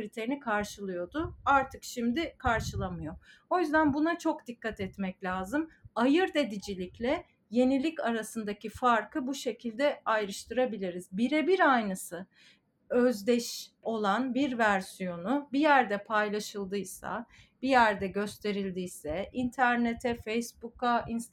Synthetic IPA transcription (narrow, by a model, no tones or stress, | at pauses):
ɾit̪ʰe̞ɾinikʰaɾʃɯlˠɯjo̞d̪ʊaɾt̪ʰɯkʃimd̪ɪkʰaɾʃɯlˠamɯjo̞o̞jyzd̪ænbunat͡ʃʰo̞kd̪ikːat̪ɛt̪mɛclʲaːzɯmajɯɾd̪ed̪id͡ʒilʲiclʲɛ | je̞nilʲicaɾasɯnd̪acifaɾkʰɯbuʃe̞cʰilʲd̪ɛajɾɯʃt̪ʰɯɾabilʲiɾizbiɾɛbiɾajnɯsɯ | øzd̪ɛʃo̞lˠanbiɾvæɾsijo̞nubijæɾd̪ɛpʰajlˠaʃɯlˠd̪ɯjsa̰b̥ijæɾd̪ɛɟø̞st̪ʰe̞ɾilʲd̪ijsɛint̪ʰæɾnet̪ʰɛfejsbukains